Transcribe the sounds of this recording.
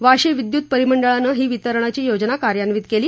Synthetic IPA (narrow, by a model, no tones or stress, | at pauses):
ʋaɕiʋid̪juːt̪̚pəɾiməɳɖəɭanəɦiːʋit̪əɾɳat͡ɕiːjod͡ʑnakaɾjanʋiːt̪̚keliː